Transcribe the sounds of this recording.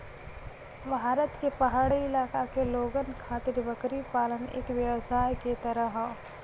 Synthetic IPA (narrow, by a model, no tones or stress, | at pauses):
bʱaːɾət̪kepɐɦaːɽiɪlaːkakeloːɡənkʰaːt̪ɪɾbəkɾipaːlənḛːkʋjəwsaːjket̪əɾəɦ